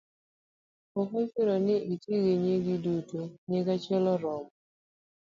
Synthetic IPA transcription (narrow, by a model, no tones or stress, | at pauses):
ɔkɔfɪɾɔnɪʔitiɣeɲeɡɪdutoɲeɡat͡ʃɛlɔɾɔm